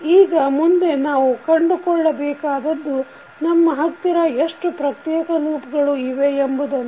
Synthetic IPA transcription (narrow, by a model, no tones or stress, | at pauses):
iːɡɐmund̪e̞naːʋukɐɳɖukɔɭːɐbɛːkaːd̪ɐd̪ːu | nɐmːɐɦɐt̪ːiɾɐeʂʈupɾɐkɾjɛːkɐluːpɐɡɐɭuiʋe̞embud̪ɐnː